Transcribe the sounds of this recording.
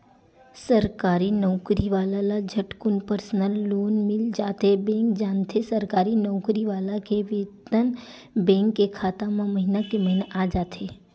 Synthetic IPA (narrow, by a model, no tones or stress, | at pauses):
səɾkaːɾinɔʊkɾiʋaːlalad͡ʒʱəʈkʊnpəɾsnəlːoːnmɪld͡ʒaːt̪ebɛ̃ːŋkd͡ʒaːnt̪ʰesɐɾkaːɾinɔʊkɾiʋaːlakeʋeːt̪ən | bɛ̃ːŋkːekʰaːt̪amãmɐɦɪnakemɐɦɪnaʔaːd͡ʒaːt̪ɦeː